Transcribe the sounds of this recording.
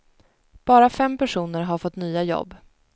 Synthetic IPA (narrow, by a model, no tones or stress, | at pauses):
b̥ɑːɾafɛmpæʂuːnəɾɦaɾfɔt̪ːnyːajɔ̰bː